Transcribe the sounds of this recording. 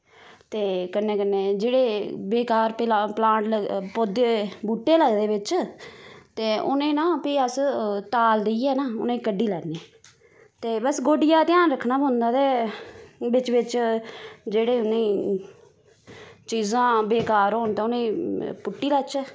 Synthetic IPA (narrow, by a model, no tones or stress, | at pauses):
t̪eːkənːẽːkənːẽːd͡ʒeːɽeːbeːkaːɾpaplãːʈləpoːd̪eːbuːʈːeːləɡd̪eːʋɪt͡ʃ | t̪eːʔʊ̰nẽːnãːpiːəst̪aːld̪ɪiːɛːnaːʊnẽːkəɖiːlɛːniɛː | t̪eːbəsɡoːɖɪjaːt̪ɪjaːnɾəkʰnaːbõnd̪aːd̪eː | bɪt͡ʃʋɪt͡ʃ | d͡ʒeːɽeːʊnẽː | t͡ʃiːzãːbeːkaːɾoːnt̪ãːʊnẽːpʊʈːiːlɛːt͡ʃɛː